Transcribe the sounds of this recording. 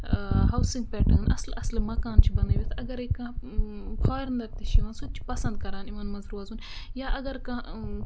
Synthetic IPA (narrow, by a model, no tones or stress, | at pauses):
ɦɐwsĩŋɡ̚pɛːʈʰɐnʔɐ̰slɐslmɐkaːnt͡ʃʰibɐnd̪ɐʋit̪ʰɐɡɐɾekãːpʰɔːɾɐnd̪ɐɾt̪iʃiʋãːnsut̪̚t͡ʃʰi̥pɐsɐ̃nd̪̚kɐɾaːnimɐnmɐzɾuːɐzuːnjaːʔɐɡɐɾkãː